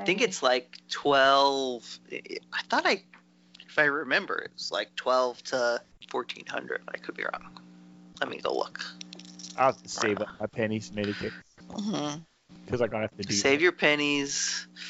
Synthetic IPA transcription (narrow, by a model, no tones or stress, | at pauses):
ɪθɪ̃ŋkɨtslaɪk̚tʰw̥ɛlˠv̥ɪ̰ʔɪ̰aɪθɔɾaɪ | ɪfaɪɹɨmɛ̃mbə̰˞ɪ̰t̚wʌz̥la̰ɪk̚tʰw̥ɛlˠv̥tʰəfɔɹtʰḭ̃nhʌ̰̃ndɹɨ̰d̚bə̃naɪkʰɨd̚bḭɹɔ̰̃ŋlɛt̚mḭɡo̰ʊlʊ̰k | aɪæftəseɪv̚maɪpʰɛniz̥meɪɾikʰɪk̚m̩m̥m̩ | kʰʌzaɪɡɑ̃nəhæftɨdseɪvjə˞pʰɛniz̥